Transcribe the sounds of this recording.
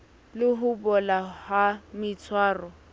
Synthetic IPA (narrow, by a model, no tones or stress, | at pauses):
lɪɦʊbɔlahamɪt͡sʰwaːrɔ